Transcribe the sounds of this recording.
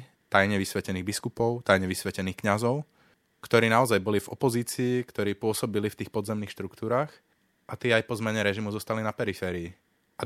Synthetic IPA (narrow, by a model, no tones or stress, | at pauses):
t̪ajɲɛʋisʋɛcɛniːɣbiskupɔʊt̪ajɲɛʋisʋɛcɛniːxkɲazɔʊ | kt̪ɔɾiːnaɔzajbɔlivɔ̰pɔziːt͡siːkt̪ɔɾiːpʊɔsɔbilift̪iːxpɔd̪zɛmniːxʃt̪ɾukt̪uːɾaːx | ʔat̪ɪɛajpɔzmɛɲɛɾɛʒimuzɔst̪alinapɛɾifɛːɾiː | ʔa